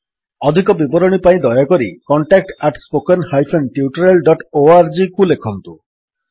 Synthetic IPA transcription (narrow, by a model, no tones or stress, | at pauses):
ɔd̪ʱikɔbibɔɾɔɽ̃ipaĩd̪ɔjakɔɾikɔɳʈak̚ʈaʈspokenhajpʰenʈiuʈɔɾelɖɔʈoaɾd͡ʒikulekʰɔnt̪u